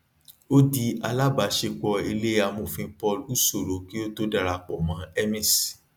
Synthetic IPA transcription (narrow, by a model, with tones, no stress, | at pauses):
o˦di˧a˧la˦ba˨˦ʃe˧k͡pɔ˧i˧le˦a˧mo˨fĩ˧pɔ˦˧lu˦so˨ɾo˨˦ki˦o˦to˦da˧ɾa˧˨k͡pɔ˨mã˨˦ɛ˦mĩ˨s